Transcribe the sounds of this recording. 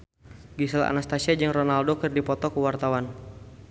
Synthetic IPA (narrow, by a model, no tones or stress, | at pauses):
ɡisəla̰nast̪asiad͡ʒɨŋrɔnaldokɨrdipɔt̪ɔkuwart̪awan